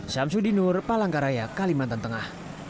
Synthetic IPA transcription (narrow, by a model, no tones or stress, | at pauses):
ʃamsudinʊrpalaŋkaɾajakalimant̪ant̪əŋah